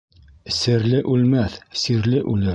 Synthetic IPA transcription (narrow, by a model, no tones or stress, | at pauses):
sɘ̆ɾlɘʔʉlmæθsiɾlɘʔʉlɘ